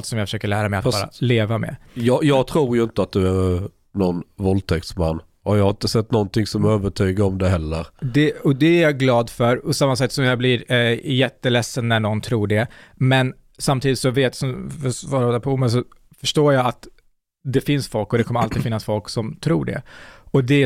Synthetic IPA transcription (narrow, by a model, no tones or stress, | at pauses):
lt̪sɔmjafœ̥ʂøːkəɭæːɾamɛat̪bːɾa̰leːvamɛ̰jɑːjɑːɡ̚t̪ʰɾuːɾjɵɪnt̪əat̪̚d̪ɵæɾ | nɔnvɔlt̪ʰɛk̚t̪smanː | ajɑhaɾɪnt̪əsɛt̪ːnɔnt̪ɪŋsɔmøːvəʈʰyːɡaɾɔmd̪ɛɦɛlːəɾd̪ɛɔd̪ɛæɾjɑɡlɑːd̪fœɾpɔsamːasɛk̚t̪ːsɔmjɑblɪɾjɛt̪ːəlɛsːənːæɳɔnt̪ʰɾuːɖɛmɛn | samt̪ʰiːd̪ɪt̪sɔveːt̪sɔmfvɑːɾːd̪apʰɔuːmɛns̬ɔ | fœʂʈoːjɑːat̪ | d̪ɛfɪnsfɔlkːɔd̪ɛkʰɔmːəɾalt̪iːd̪fɪnːasfɔlksɔmt̪ʰɾuːɖɛ̰ɔd̪ɛ